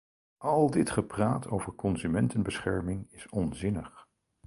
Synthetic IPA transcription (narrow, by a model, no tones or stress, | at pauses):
ʔɑlˠdɪtχəpraːtʰowvəɹkɔnzymɛntənbəsχɛɹmɪŋɪsɔnzɪnəχ